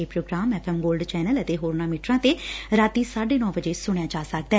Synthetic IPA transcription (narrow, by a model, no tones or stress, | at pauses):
eːpɾoːɡɾaːmɛːpʰɛːmɡoːlɖt͡ʃɛːnələt̪eːɦoːɾnaːmɪʈɾãːt̪eːɾaːt̪iːsaːɖeːnɔ̃ːbəd͡ʒeːsʊɳ̃jaːt͡ʃaːsək̚d̪ɛː